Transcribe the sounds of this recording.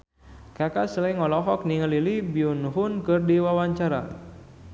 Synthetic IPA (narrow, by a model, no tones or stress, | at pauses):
kakasəlaiŋɔlɔɦɔk̚niŋəlilibiunuɦʊnkɨrdiwawaɲt͡ʃaɾa̰